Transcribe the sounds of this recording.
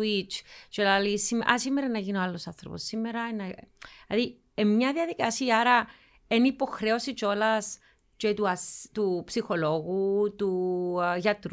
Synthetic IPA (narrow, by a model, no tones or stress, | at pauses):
wit͡ʃt͡ʃelalisimʔɐ̰simːeɾɐnːɐʝinoalːo̞sɐnθɾopo̰sːimːeɾɐenɐlɐði | emɲɐðiɐðikɐsiaɾɐ | enipo̞xɾe̞o̞sit͡ʃo̞lɐs | t͡ʃet̪uɐst̪upsixo̞lo̞ɣut̪uʝɐt̪ɾ